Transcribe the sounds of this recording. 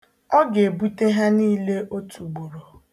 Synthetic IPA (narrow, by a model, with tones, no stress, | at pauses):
ɔ˦ɡe˨bu˦te˦ɦa˦niː˦le˦ʔo˦tʰu˨ɡ͡bu˨ɾo˨